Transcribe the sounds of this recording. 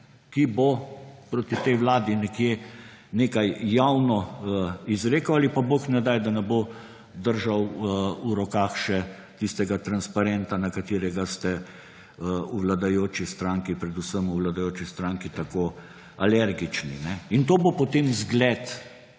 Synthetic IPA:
kibopɾoːt̪it̪ɛjʋlaːd̪inɛkje | neːkajjawnɔəizɾeːkoalipaboknɛd̪ajd̪anɛbo | d̪əɾʒawuɾɔkaːxʃɛ | t̪ist̪ɛɡat̪ɾanspaɾɛnt̪anakat̪eːɾɛɡast̪ɛ | əuʋlad̪ajoːt͡ʃist̪ɾaŋkipɾɛd̪usəmuʋlad̪ajoːt͡ʃist̪ɾaːŋkit̪akoː | alɛɾɡit͡ʃninɛint̪oːbopot̪eːmzɡlɛt̪

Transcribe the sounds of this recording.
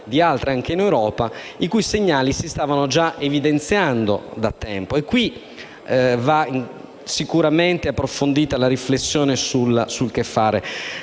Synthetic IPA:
d̪ialt̪ɾeaŋk̟einewɾɔːpaikujseɲːaːlisist̪aːvanod͡ʒaʔevid̪ent̪sjand̪o̰d̪at̪ːɛmpoekːwi | va | sikuɾament̪eapːɾofond̪iːt̪alaɾiflesːjɔːnesulasulk̟efːaːɾe

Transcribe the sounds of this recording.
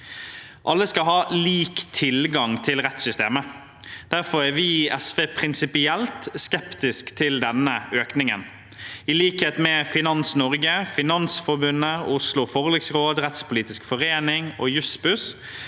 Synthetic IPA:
ʔɑlːəskɑlɦɑːliːkt̪ʰɪlɡɑŋt̪ʰɪlʁɛt̪sʏst̪eːmə | d̪̥æɾfɔɾæʁʋɪɛsʋeːpʰɾɪnsɪpɪɛlt̪skɛpt̪ɪskt̪ʰɪld̪ɛnəøːknɪŋə̰n | ɪliːkheːt̪mɛfɪnɑnsnɔʁɡəfɪnɑnsfɔɾbʉnːəʊslʊfɔʁlɪksʁoːd̪ʁɛt̪spʊliːt̪ɪskfɔʁeːnɪŋoːjʉspʉs

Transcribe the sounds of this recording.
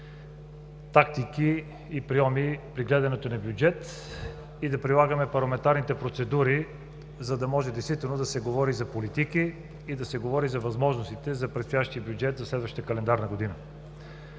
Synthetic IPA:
t̪ak̚t̪ikiː | pɾiɔmipɾiɡlɛd̪ɐnɛt̪onɐbjud͡ʒɛt̪ | id̪ɐpɾilˠaɡəmɛpɐɾlˠɐmɛnt̪aɾnit̪ɛpɾot̪sɛd̪uɾi | zɐd̪ɐmɔʒɛd̪ɛjst̪vit̪ɛlˠnod̪ɐsɛɡovɔɾizɐpolit̪ikiː | d̪ɐsɛɡovɔɾizɐvɐzmɔʒnost̪it̪ɛzɐpɾɛt̪st̪ojaʃt̪iəbʲjud͡ʒɛt̪zɐslɛd̪vəʃt̪t̪əkɐlɛnd̪aɾnɐɡod̪inə

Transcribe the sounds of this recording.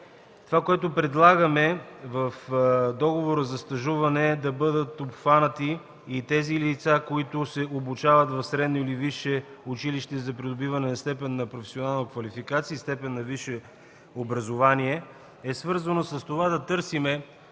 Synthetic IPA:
t̪ovakoɛt̪ʊpɾɛd̪lˠaɡəmɛvɐfd̪ɔɡovoɾəzɐst̪ɐʒuvɐnɛd̪ɐbɤd̪ət̪opxvanət̪iː | t̪ɛzilit̪sakoit̪ʊsɛobut͡ʃavɐt̪vɐfsɾɛd̪noiliviʃɛʊt͡ʃiliʃt̪ɛzɐpɾid̪obivɐnɛnɐst̪ɛpɛnːɐpɾofɛ̥sionalˠnokvɐlifikat̪siːst̪ɛpɛnːɐviʃɛ | obɾɐzovaniɛ | ɛsvɤɾzɐnosɐst̪ovad̪ɐt̪ɤɾsimɛ

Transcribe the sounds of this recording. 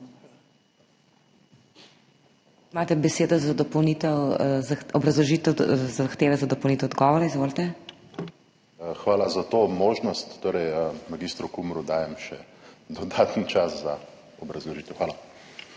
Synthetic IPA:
imaːt̪ɛbɛseːd̪ɔzad̪ɔpɔwnit̪ɛwzaxɔbɾɐzlɔʒiːt̪zaxt̪eːʋɛzad̪ɔpownit̪ɛwd̪ɡɔʋɔɾaizʋoːlt̪ɛ | xʋaːlazat̪oːmoːʒnɔst̪ːoːɾɛjmaɡist̪ɾukumɾud̪aːjɛmʃɛd̪ɔd̪aːt̪nt͡ʃasza | ɔbɾɐzlɔʒiːt̪ɛwxʋaːla

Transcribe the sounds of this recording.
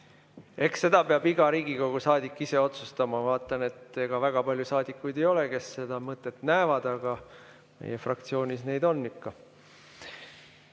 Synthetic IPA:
e̞ksːe̞d̪̥ɑpe̞ɑbiɡ̥ɑɾiːɡiko̞ɡ̥usɑːd̪ikːˑise̞o̞t̪sust̪ɑmɑvɑːt̪ːˑɑne̞t̪ːe̞ɡ̥ɑvæɡ̥ɑpɑlʲjusɑːd̪ikːˑujd̪e̞jo̞le̞ke̞sːe̞d̪̥ɑmɤt̪ːˑe̞t̪næevɑd̪̥ɑɡ̥ɑ | mḛjefrɑk̚t̪sio̞ːnʲisne̞jd̪o̞nːikːɑ

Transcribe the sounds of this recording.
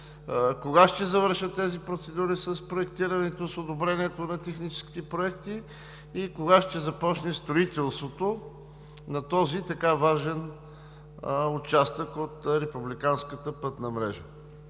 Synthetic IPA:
koɡaʃt̪ɛzɐvəɾʃət̪ːɛzipɾot̪sɛd̪uɾisəspɾoɛkt̪iɾənɛt̪osod̪obɾɛniɛt̪onɐt̪ɛxnit͡ʃɛ̥skʲi̥t̪ɛpɾoɛkt̪iː | koɡaʃt̪ɛzɐpɔt͡ʃnɛst̪ɾoit̪ɛlˠst̪vot̪o | nɐt̪ɔzit̪ɐkavaʒɛn | ot͡ʃast̪əkot̪ɾɛpublikanskət̪əpɤt̪nəmɾɛ̰ʒə̰

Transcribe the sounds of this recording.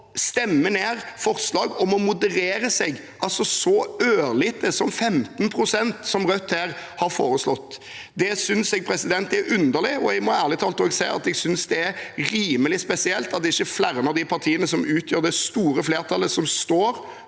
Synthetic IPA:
st̪ɛmːəneːɾfɔɾslɑːɡɔmɔmʊd̪ɛɾeːɾəsɛɡ | ʔɑlsɔsɔøːlɪt̪ʰəsɔmfɛmt̪npʰɾʊsɛnt̪sɔmʁœt̪ːhæːʁhɑɾfoːɾəslɔt̪ː | d̪ɛsʏnsɛɡ̚pʰɾɛsɪd̪ɛnt̪̚d̪ɛæɾʉnd̪əʁlɪɔɛɡmɔæːʁlɪt̪ʰɑːlt̪əoːɡsæɪɑ̰t̪ɛɡsʏnsd̪ɛæɾɾiːməlɪspɛsɪɛlt̪ɑt̪d̪ɛɪçːəflæɾəməd̪ɪpʰɑʁt̪ʰiːənəsɔmʉːt̪ʰjøːɾd̪ɛst̪uːɾəfleːʁt̪ʰɑlːəsɔmst̪oːɾ

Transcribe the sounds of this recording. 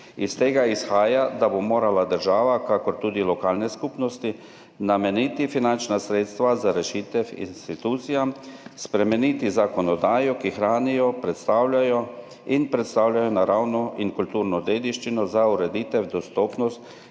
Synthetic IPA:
ist̪eːɡaisxaːjad̪abomoːɾalad̪əɾʒaːʋakakɔɾt̪uːd̪ilɔkaːlnɛskupnɔst̪i | namɛniːt̪ifinant͡ʃnasɾeːt̪st̪ʋazaɾɛʃiːt̪ɛwḭnst̪it̪uːt̪sijamspɾɛmɛniːt̪izakɔnɔd̪aːjɔkixɾaːnijɔpɾɛt̪st̪aːwlʲajɔ | inpɾɛt̪st̪awlʲjajɔnaɾawnɔʔiŋkult̪uːɾnɔd̪eːd̪iʃt͡ʃinɔzauɾɛd̪iːt̪ɛwd̪ɔst̪ɔːpnɔst̪

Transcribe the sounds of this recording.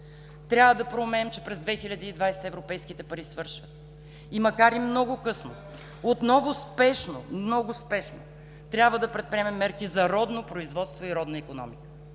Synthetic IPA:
t̪ɾʲjabvəd̪ɐpɾomɛnɛmt͡ʃɛpɾɛzd̪vɛxiʎʲəd̪iːd̪vajst̪əɛvɾopɛjskit̪ɛpɐɾisvɤɾʃvət̪ | imɐkaɾimnɔɡʊkɤsno̰ | ot̪nɔvʊspɛʃno̰nɔɡʊspɛʃno̰ | t̪ɾʲjabvəd̪ɐpɾɛt̪̚pɾiɛmɛmːɛɾkizɐɾɔd̪nopɾoizvɔt̪st̪voiɾɔd̪nəikonɔ̰mikə̥

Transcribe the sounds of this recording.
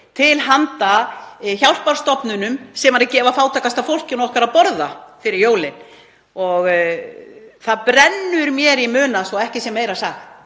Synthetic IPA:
t̪ʰɪlɦant̪açjawlpaɾ̥st̪ɔpnʏnʏmsɛmaɾacɛːvafaːwt̪ʰaːkast̪afowl̥cɪnɔhkaɾapɔɾðafɪɾɪɾjoːwlɪn | ɔɣ | θaðpɾɛnːʏɾmjɛɾimʏːnasɔɛhcɪsɛmːeːjɾasaxt̪

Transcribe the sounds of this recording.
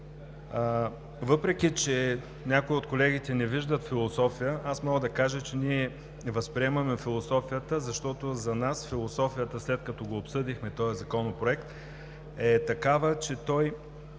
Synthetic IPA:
vɤpɾɛk̟ʲit͡ʃɛ | nʲakoiot̪kolɛɡ̟it̪ɛnɛviʒd̪ət̪filˠosɔfijəʔasmɔɡəd̪ɐkaʒət͡ʃɛniɛ | vɐspɾiɛmɐmɛfilˠosɔfijət̪əzɐʃt̪ɔt̪ozɐnasfilˠosɔfijət̪əslɛt̪kɐt̪ɔɡoːpsɤd̪ixmɛt̪ɔɛzɐkɔnopɾoɛkt̪ | ɛt̪ɐkavət͡ʃɛt̪ɔj

